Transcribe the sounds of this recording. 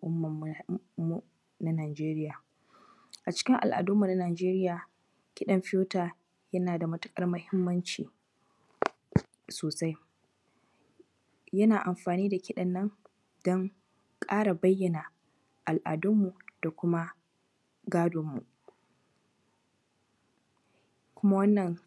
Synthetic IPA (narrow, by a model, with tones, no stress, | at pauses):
ʔʊ˦mːɐ˨mː˨u˨ | na˦naː˨d͡ʒeː˦ɾɪ˦jaː˨ | ʔa˨t͡ʃɪ̥˦kʲɪ˦ŋʔa̰˨lʔa̰ː˨dʊ˦mːu˨na˦naː˨d͡ʒeː˦ɾɪ˦jaː˨ | kʲɪ˦ɗɐ˨mɸɪ˦joː˦taː˨ | jɐ˦naː˨da˨mɐ˦tʊ̥˦kʼɐ˦rmʊ˦hɪ˦mːɐ˦nt͡ʃḭː˨ | soː˨sa˦j | jɐ˦naː˨ʔa˨mɸaː˨niː˦da˨kʲɪ˦ɗɐ˨nːɐ˦ŋ | d̥ɔ˦ŋ | kʼaː˦ɽa˨bɐ˦jːɐ˨na˨ | ʔa˨lʔa̰ː˨dʊ˦mːu˨d̥a˨kʷʊ˦ma˦ | ɡaː˦doː˨mːṵ˨ʔ | kʷʊ˦ma˦wɐ˦nːɐ˨ŋ